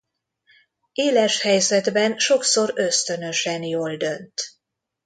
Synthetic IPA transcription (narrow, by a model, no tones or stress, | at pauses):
eːlɛʃhɛjzɛd̪bɛnʃo̞kso̞ɾøst̪ø̞nø̞ʃɛnjoːld̪ø̞nt̪